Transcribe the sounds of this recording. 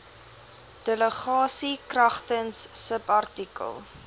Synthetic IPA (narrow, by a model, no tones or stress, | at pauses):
d̥ɛləχɑːsikrɐχtənsːəpɐrtikə̰lˠ